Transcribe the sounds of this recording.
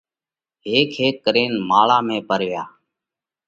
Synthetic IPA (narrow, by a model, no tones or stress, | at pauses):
ɦeːkʰɦeːkːəɾeːnmaːɭãːmẽːpəɾʋɪjaː